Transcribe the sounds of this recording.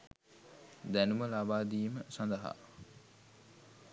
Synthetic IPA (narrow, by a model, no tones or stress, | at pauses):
d̪ænuməlabaːd̪iːməsand̪ɐɦa̰